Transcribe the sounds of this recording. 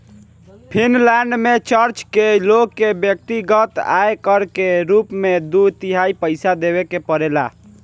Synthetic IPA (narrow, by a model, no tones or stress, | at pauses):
pʰinlɛɳɖmet͡ʃəɾt͡ʃkelokːebjək̚t̪iɡət̪a̰ekəɾkeɾupmed̪ut̪iɦaipəɪsad̪eβekepəɾela̰